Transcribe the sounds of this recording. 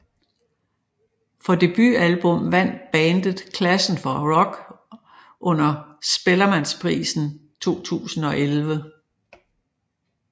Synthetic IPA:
fɒ̽d̥e̝b̥y̰ælb̥ɔ̽mʋæn̰d̥b̥æːnd̥əð̩ˠkʰlæsn̩fɒʁɒɡ̥ | ʔɔ̽n̰ɐsb̥elɐmænspʰʁḭːsn̩t͡sʰo̝̰ːt͡sʰṵːsn̩ɒ̽ʔelʋə

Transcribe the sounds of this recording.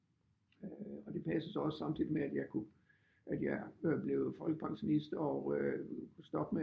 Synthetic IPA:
ɒ̽d̥e̝pʰæsəsɒɒ̽sə̥sɑ̈mt͡sʰid̥ˠimeæd̥jɑ̈ɪkʰu | ʔæd̥jɑ̈ɪb̥le̝ʊð̩ˠfɒ̽l̰ɡ̥əpʰɑ̈ŋɕo̝nisd̥ɒøkʰusd̥ɒ̽b̥me

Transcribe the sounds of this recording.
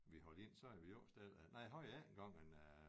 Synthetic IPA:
ʋihɒle̝n̰sɒ̽æʋijoːsd̥æðˠænɑɪ̰ɦɒɪ̰æenɡ̥ɑ̈ŋ̰men

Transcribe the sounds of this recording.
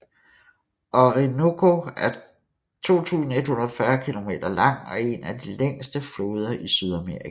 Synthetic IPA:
ɒʁinokʰo̝æɐ | t͡sʰo̝̰ːt͡sʰṵːsn̩e̝d̥hunɐðˠfɶɐkʰilo̝me̝̰ːd̥ɐlɑ̈ŋ̰ɒ̽e̝næd̥ileŋ̰sd̥əfloːð̞ˠɐʔisyð̞ˠæmeːʁik

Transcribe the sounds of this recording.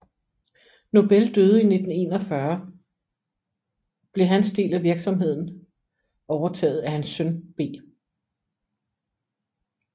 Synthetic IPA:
no̝b̥eld̥øːð̞̩ˠine̝d̥n̩e̝̰ːnɒfɶɐ | b̥le̝ɦænsd̥e̝̰ːlæʋiɐɡ̥sɒ̽mɦe̝ð̞̰ˠn̩ | ɒʊɐt͡sʰɛ̰ːð̞̩ˠæhænsːœnb̥e̝̰ː

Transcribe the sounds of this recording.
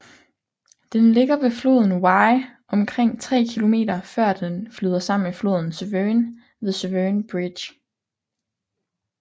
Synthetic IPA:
d̥enle̝ɡ̥ɐʋe̝flo̝̰ð̞ˠn̩wɑ̈ɪʔɒ̽mkʰʁeŋ̰t͡sʰʁɛ̰ːkʰilo̝me̝̰ːdɐfɶɐ̰d̥enflyːð̞ˠɐsɑ̈m̰n̩eflo̝ːð̞̰ˠn̩søʋøn | ʋe̝ðˠsøʋønb̥ʁid̥ɕ

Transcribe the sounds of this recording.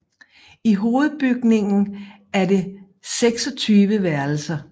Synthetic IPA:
iɦo̝ːð̞̩ˠb̥yɡ̥ne̝ŋn̩ | æɐde̝ | seɡ̥sɒ̽t͡sʰyːʋəʋæɐl̩sɐ

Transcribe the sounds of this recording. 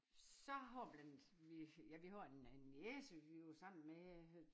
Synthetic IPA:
sɒɦɒb̥lænd̥ | ʋijæʋihɒenenesəʋiosɑ̈m̰n̩me

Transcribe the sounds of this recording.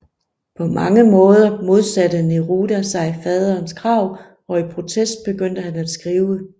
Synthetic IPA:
pʰɒ̽mɑ̈ŋəmɔ̽ːð̞ˠɐmo̝ð̞ˠsæd̥əneʁud̥æsɑ̈ɪfɛːð̞ˠɐːnskʰʁɑ̈ʊ̰ | ɒ̽ipʰʁo̝t͡sʰesd̥̚b̥e̝ɡ̥øn̰d̥əhænæd̥sɡ̥ʁiːʊə

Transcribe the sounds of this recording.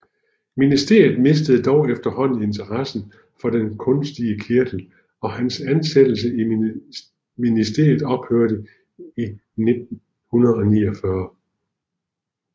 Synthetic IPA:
minisd̥e̝ɐ̰jð̩ˠme̝s̬d̥əð̩ˠd̥ɒʊefd̥ɐhɒ̽n̰n̩e̝nt͡sʰɐʁɑsn̩ | fɒ̽d̥enkʰɔ̽nsd̥iəkʰiɐd̥l̩ | ɒ̽hænsænsed̥l̩səi | minisd̥e̝ɐ̰jð̩ˠɒ̽b̥høɐ̰ɾə | i | ne̝d̥̚n̩ | hunɐðˠɒ̽nḭːɒfɶɐ

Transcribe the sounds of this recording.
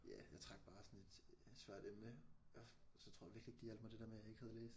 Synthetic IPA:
jæ̰jɑ̈ɪt͡sʰʁɑ̈ɡ̥b̥ɑ̈ːsɒ̽ne̝d̥sʋæɐ̰d̥emnəɒsɒt͡sʰo̰ɐj̰ɑʋiɐɡlie̝ɡ̥d̥ijæl̰d̥mɑ̈d̥e̝̥eɐmejɑ̈eɡ̥hæɛðˠleːs

